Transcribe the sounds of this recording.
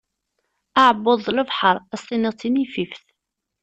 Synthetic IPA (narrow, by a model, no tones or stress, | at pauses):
aʕbːoðˤləvħəɾˤæsˤiniʁt͡sːinififθ